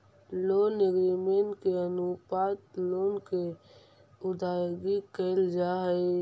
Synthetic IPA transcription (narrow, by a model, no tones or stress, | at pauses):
loːnɪɡɾimenkeənupaːt̪loːnke | ʊd̪aːɡikəɪld͡ʒaɦəe